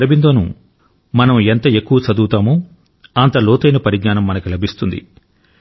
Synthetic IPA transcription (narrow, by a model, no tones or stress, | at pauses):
ɾɐbind̪oːnṵ | mɐnɐment̪ɐe̞kːuʋɐt͡ʃɐd̪uːt̪aːmoː | ɐnt̪ɐlɔːt̪ɐjnɐpɐɾiɡɲaːnɐmːɐnɐkilɐbʱist̪und̪ḭ